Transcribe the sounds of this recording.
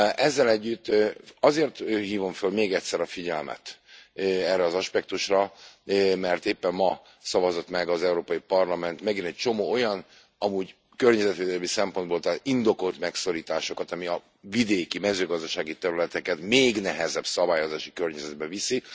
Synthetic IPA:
ʔɛzːɛlɛɟːyt̪ːɒzeːrt̪ːhiːvo̞ɱfølmeːɡɛct̪ʲsɛɾɒfiɟɛlmɛ̰t̪ | ɛrːɛɒzɒʃpɛkt̪uʃrɒ | mɛrt̪eːpːɛmːɒ | sɒvɒzo̞t̪mɛɡɒzɛuɾoːpɒjipɒrlɒmɛnt̪mɛɡinɛc̚t͡ʃo̞moːo̞jɒn | ɒmuːɟ | kørɲɛzɛt̪ʋeːd̪ɛlmisɛmpo̞nd̪boːlt̪aːt̪ind̪o̞ko̞lt̪mɛkso̞ɾiːt̪aːʃo̞kɒt̪ɒmiɒ | vid̪eːkimɛzøːɡɒzd̪ɒʃaːɡit̪ɛɾylɛt̪ɛkɛt̪meːɡnɛɦɛzɛbsɒbaːjo̞zaːʃi̥kørɲɛzɛd̪̚bɛvisi

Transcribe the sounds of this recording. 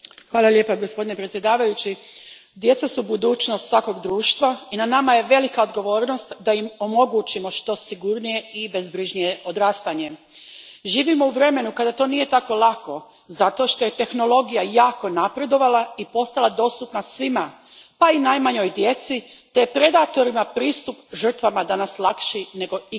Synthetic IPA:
xʋaːlˠalje̞paɡo̞spo̞d̪ine̞pɾet̪sje̞d̪aːʋajut͡ɕid̪je̞t̪sasubud̪uːt͡ʃnost̪sʋako̞ɡd̪ɾuːʃt̪ʋainanamaje̞ʋe̞likaod̪ɡo̞ʋo̞ːɾno̞st̪d̪ajimo̞mo̞ɡut͡ɕimo̞ʃt̪o̞siɡuɾnije̞ibezbɾiʒnijeʔo̞d̪ɾaːst̪aɲe̞ | ʒiːʋimo̞uʋɾe̞me̞nukad̪at̪o̞nije̞t̪ako̞lˠako̞ | zat̪o̞ʃt̪o̞je̞t̪e̞xno̞lo̞ɡijajaːko̞napɾe̞d̪o̞ʋalˠaipo̞st̪alˠad̪o̞st̪upnasʋima | painajmaɲo̞jd̪je̞t̪sit̪e̞pɾe̞d̪at̪o̞ɾimapɾiːst̪upʒər̩t̪ʋamad̪anaslˠakʃine̞ɡo̞i

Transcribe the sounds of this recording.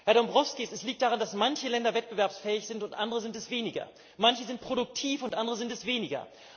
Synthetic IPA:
hɛɐdɔmbʁɔfskiːsɛsliːk̚t̚d̥aːʁandasmançəlɛndɐvɛt̚b̥əvɛɐpsfɛːɪçz̥ɪntʊntʔandəʁəzɪntɛsv̥eːnɪɡɐ̰ | mançəzɪnt̚pʁ̥oɾʊk̚tʰiːfʊntʔandəʁəzɪntɛsv̥eːnɪɡɐ̰

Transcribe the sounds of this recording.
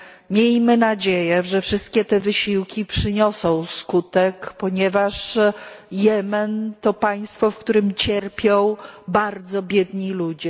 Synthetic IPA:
mʲjelʲmɘnad͡ʑejɛʐɛfʂɘst̪̚kʲɛt̪ɛvɘɕiwkʲipʂɘɲɔsɔ̃w̃skut̪ɛkpɔɲɛvaʂ | jɛmɛnt̪ɔpaj̃st̪fɔfkt̪uɾɘmt͡ɕɛɾpʲjɔ̃w̃baɾd̪zɔbʲjɛd̪ɲilud͡ʑɛ

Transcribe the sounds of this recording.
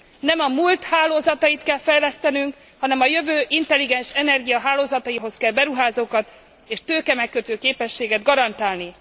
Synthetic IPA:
nɛmɒmult̪haːloːzɒt̪ɒjit̪kɛlfɛjlɛst̪ɛnyŋk | hɒnɛmɒjø̞vøːʔint̪ɛlːiɡɛnʃɛnɛrɡijɒɦaːloːzɒt̪ɒjiɦo̞skɛlbɛɾuɦaːzoːkɒt̪ | eːʃt̪øːkɛmɛkːøt̪øːkeːpɛʃːeːɡɛd̪ɡɒɾɒnt̪aːlni

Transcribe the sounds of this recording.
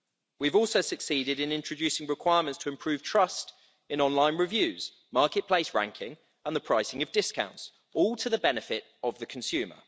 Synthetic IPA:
wivɔˑlˠsəʊsəksiːdɪdɪ̃nɪ̃nt͡ʃɹ̥əd͡ʒʉˑsɪ̃ŋɹɪkʰw̥aɪəmə̃ntstʰəɪ̃mpʰɹ̥ʉːv̥tʰɹ̥ʌst | ɪ̃nɒ̃nlãɪ̃nɹɪvjʉːz̥ | mɑˑkɪʔ̚pʰl̥eɪsɹã̰ŋkʰɪ̃ŋ | ə̃nðəpʰɹ̥aɪsɪ̃ŋəvdɪskãʊ̃nts | ɔːlˠtʰəðəbɛnɪfɪt | əvðəkʰə̃nsjʉːmə̰

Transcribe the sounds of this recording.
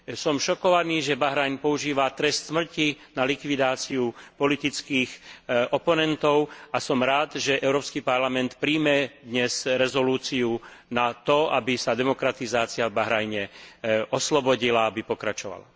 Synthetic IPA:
sɔmʃɔkɔʋaniːʒɛbaɦɾajnpɔuʒiːʋat̪ɾɛst̪smr̩cinalikʋid̪aːt͡siupɔlit̪it͡skiːxʔɔpɔnɛnt̪ɔʊasɔmɾaːd̪ʒɛʔɛʊɾɔːpskipaɾlamɛnt̪pɾiːmɛd̪ɲɛsɾɛzɔluːt͡siunat̪ɔabisad̪ɛmɔkɾat̪izaːt͡siavbaɦɾajɲɛɔslɔbɔɟilaabipɔkɾat͡ʃɔʋa̰la̰

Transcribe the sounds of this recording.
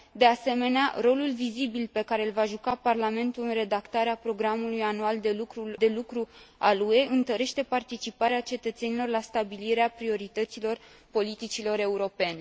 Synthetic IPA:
d̪e̞ase̞me̞nea̰ɾo̞lulvizibilpe̞kaɾe̞lvaʒukaparlame̞nt̪ulɨnre̞d̪akt̪aɾeapɾo̞ɡɾamulujanuald̪e̞lukɾud̪e̞lukɾualue̞ɨnt̪əɾe̞ʃt̪e̞part̪it͡ʃipaɾeat͡ʃe̞t̪ət̪se̞nilo̞rlast̪abiliɾeapɾio̞ɾit̪ət̪silo̞r | po̞lit̪it͡ʃilo̞ɾe̞uɾo̞pe̞ne̞

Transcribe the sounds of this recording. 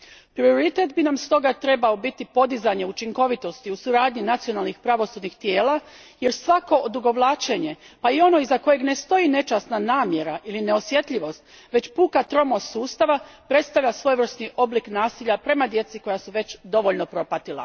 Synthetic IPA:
pɾio̞ɾit̪e̞t̪binamst̪o̞ɡat̪ɾe̞bao̞bit̪ipo̞d̪izaɲe̞ut͡ʃiŋko̞ʋit̪o̞st̪iusuɾaːd̪ɲinat̪sio̞nalˠnixpɾaʋo̞suːd̪nixt̪jeːla | je̞ɾsʋako̞d̪uɡo̞ʋlˠaːt͡ʃe̞ɲe̞paio̞no̞izako̞je̞ɡne̞st̪o̞jine̞t͡ʃast̪nanaːmje̞ɾaʔiline̞o̞sje̞t̪ʎiʋo̞st̪ | ʋe̞t͡ɕpuːkat̪ɾo̞mosuːst̪aʋapɾe̞t̪st̪aʋʎasʋo̞jʋr̩st̪niʔo̞bliknaːsiʎapɾe̞mad̪je̞t̪siko̞jasuʋe̞t͡ɕd̪o̞ʋo̞ʎno̞pɾo̞pat̪ilˠa̰

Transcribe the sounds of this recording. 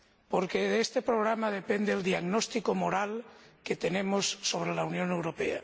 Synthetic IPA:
po̞ɾkeðest̪epɾoɣ̞ɾamað̞e̞pend̪eːld̪iaɣnost̪ikomoɾalket̪e̞nemosːo̞β̞ɾelaunjo̞newɾo̞pea̰

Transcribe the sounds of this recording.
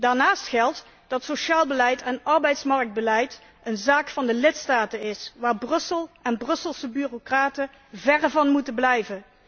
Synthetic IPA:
daːɹnaːstxɛlˠt | d̥ɑtsoʃaːlˠbəlɛjtʰɛnɑɹbɛjtsmɑɹk̚d̚bəlɛjt | ənzaːkfɑndəlɪtstaːtənɪsʋaːɹbrɵsəlˠɛnbrɵsəlˠsəbyːrokraːtə | vɛrvɑnmutənblɛjvə

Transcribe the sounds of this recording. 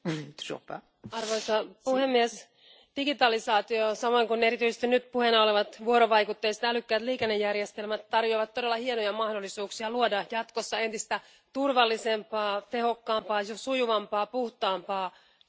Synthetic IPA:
so̰pːæ̰ | ɑrʋoisɑpuhemːies | d̥iɡit̪ɑlisɑːt̪iosɑmoiŋkuneɾit̪yisest̪inyt̪puhenɑoleʋɑt̪ʋuoɾoʋɑikut̪ːeist̪ælykːæːt̪liːkenːejːærjest̪elmæt̪t̪ɑrjoːʋɑt̪t̪odelːɑhienojɑmɑhdolːˑisuːksiɑluodɑjɑt̪kosːɑe̞nt̪ist̪æ | t̪urʋɑlːisempɑːt̪ehokːɑːmpɑːjosujuʋɑmpɑːpuht̪ɑːmpɑː

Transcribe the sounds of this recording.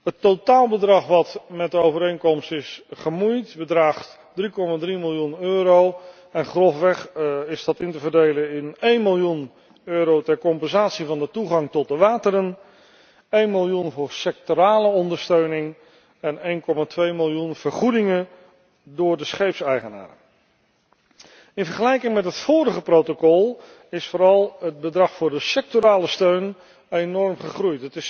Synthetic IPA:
ɦətːotaːlˠbədrɑχʋɑtmɛt̚dəowvəɾejŋkɔmstɪsχəmujtbədraːχt | drikɔmaːdrimɪlˠjunøːɾow | ɛnχrɔfʋɛχɪsdɑtɪntəvəɹdejlənɪnejnmɪlˠjun | øːɾowtɛɹkɔmpɛnzaːtsivɑndətuχɑŋtɔt̚dəʋaːtəɾən | ejnmɪlˠjunvʊːɹsɛk̚toɾaːləɔndəɹstøɥnɪŋ | ɛnejnkɔmaːtʋejmɪlˠjunv̥əɹχudɪŋən | dʊːɹdəsχejpsɛjχəna̰ːɾə̰ | ɪnvəɹχəlɛjkɪŋmɛtɦətfoːɾəχəprowtokɔlˠ | ɪsfʊːɾɑlˠɦəd̚bədrɑχfʊːɹdəsɛk̚toɾaːləstøɥn | ejnɔɹmχəχrujtɦətɪs

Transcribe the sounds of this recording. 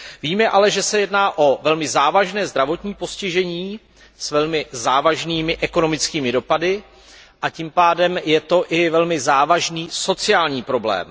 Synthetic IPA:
viːmɛʔalɛʒɛsɛjɛdnaːʔo̞vɛlmɪzaːvaʒnɛːzd̪ɾavo̞t̪ɲiːpo̞scɪʒɛɲiː | svɛlmɪzaːvaʒniːmɪʔɛko̞no̞mɪt͡skiːmɪdo̞padɪ | ʔacimpaːdɛmjɛt̪o̞ʔɪvɛlmɪzaːvaʒniːso̞t͡sɪaːlɲiːpɾo̞blɛ̰ːm

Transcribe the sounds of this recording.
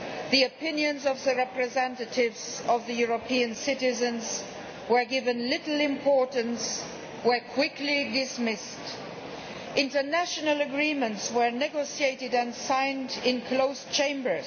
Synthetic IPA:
ðiɨpʰɪ̃njɨ̃nzʌvðɨɹɛpɹɨzɛ̃ntɨtɪvzʌvðɨjʊɹəpʰĩɨ̃nsɪɾɪzɨ̃nz | wə˞ɡɪvɨ̃nlɪɾl̩ˠɪ̃mpʰɔɹʔn̩s | wə˞kʰw̥ɪklidɪsmɪst | ʔɪ̃ntə˞næʃɨnəl̩ˠəɡɹĩmə̃ntswə˞nɛɡoʊʃieɪɾɨdɨ̃nsãɪ̃ndɪ̃nkʰl̥oʊst͡ʃʰẽɪ̃mbə˞z

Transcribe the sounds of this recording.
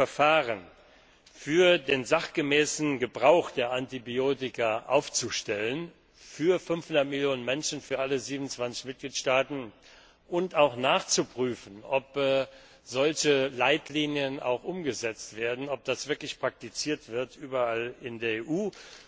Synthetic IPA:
fɛɐfaːʁən | fyːɐdeːnzaχɡ̥əmɛːsn̩ɡəbʁaʊxd̥eːɐʔantibioːtɪkɐʔa̰ʊft͡suʃtɛlən | fyːɐfʏnfhʊndɐtmɪljoːnənmɛnʃn̩fyːɐʔaləziːbmnʊnt͡sv̥ant͡sɪçmɪt̚ɡ̥liːtʃtaːtn̩ | ʔʊntaʊxnaːχt͡supʁ̥yːfn̩ɔpɛː | z̥ɔlçəlaɪtʰliːnjəna̰ʊxʔʊmɡəzɛt͡stv̥eːɐdn̩ɔp̚d̥asv̥ɪɐklɪçpʁ̥ak̚tit͡siːɐtv̥ɪɐtʔyːbɐalɪndeːɐeːʔuː

